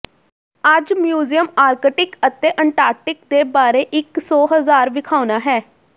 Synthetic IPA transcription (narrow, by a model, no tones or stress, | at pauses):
əd͡ʒmjuːzijəmaːɾkəʈɪkət̪eːʔəɳʈaːɾʈɪk̚d̪eːbaːɾeːʔɪksɔːɦəzaːɾʋɪkʰaːʊnaːɦɛː